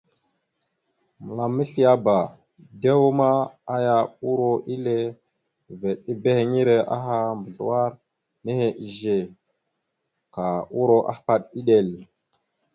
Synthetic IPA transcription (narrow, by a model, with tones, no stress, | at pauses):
mə˨la˨mːi˦ɬi˦a˦ba˨ | de˦wo˦ma˦a˦ja˨u˦ɾo˨ʔi˦le˦ | ve˨ɗi˦be˦he˨ŋi˦ɾe˨ʔa̰˦ɦa˦mbə˨ɮṵ˨wa˦ɾ | ne˦he˨ʔi˨ʒe˨ | ka˨u˦ɾo˨ʔa̰˦hpa˦ɗi˦ɗe˨l